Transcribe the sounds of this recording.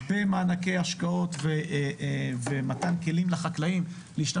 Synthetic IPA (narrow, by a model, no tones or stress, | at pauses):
bemaːnake̞jaʃkao̞t̪ve | vematanke̞limlaχaklaim | leiʃta